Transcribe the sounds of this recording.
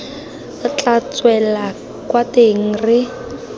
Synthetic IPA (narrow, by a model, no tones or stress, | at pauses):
t͡ɬat͡swɛla | kwateŋ̩rɪ